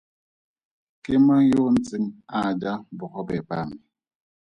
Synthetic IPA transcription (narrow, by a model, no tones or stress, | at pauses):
kemajon̩t͡siŋad͡ʒabɔkɔbɛpa̰mi